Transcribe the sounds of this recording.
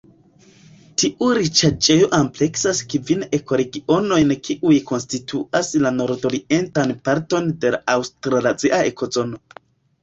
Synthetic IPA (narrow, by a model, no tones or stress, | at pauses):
tiʔuɾit͡ʃat͡ʃe̞jo̞ʔample̞ksaskivine̞ko̞ɾe̞ɡio̞no̞jnkiʔujko̞nstitʰuʔaslano̞ɾdo̞ɾiʔe̞ntanpaɾto̞nde̞laʔawstɾalaziʔae̞ko̞zo̞no̞